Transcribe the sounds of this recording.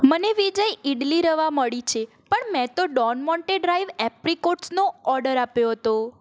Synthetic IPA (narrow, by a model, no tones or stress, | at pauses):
məneʋid͡ʒəjiɖliɾəʋaməɭit͡ʃʰe | pəɳmɛ̃t̪oɖɔnmɔɳʈeɖɾaiʋɛpɾikoʈsnoɔɾɖəɾapjoɦət̪o